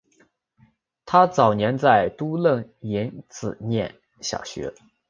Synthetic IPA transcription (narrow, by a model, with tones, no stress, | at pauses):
t̪ʰa˥t͡sɑ˨˩ʊnjɛ˧˥nt͡sa˥˩ɪt̪u˥lə˥˩ŋi˧˥nt͡sɹ̩˨˩njɛ̰˥˩n | ɕjɑ̰˨˩ʊɕɥɛ̰˧˥